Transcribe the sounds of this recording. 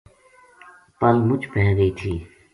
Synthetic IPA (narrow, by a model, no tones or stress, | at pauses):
pəlmʊd͡ʒpɛɦɾeiːt̪ʰiː